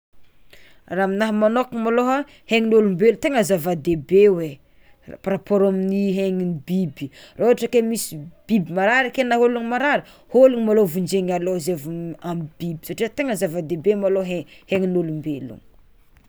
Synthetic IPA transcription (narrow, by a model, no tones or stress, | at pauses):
raːminaɦəmanokimaloɦa | heŋinolumbelut̪eŋəzavad̪ebewe | pɾapoɾominiɦeŋinibibiraoaʈ͡ʂəkemisib̥ibimaɾaɾikenaɦoluŋimaɾaɾi | holuŋmalovund͡ʒeŋalozevuamib̥ibi̥saʈ͡ʂiat̪eŋəzavad̪ebemaloɦeheŋinolumbelṵn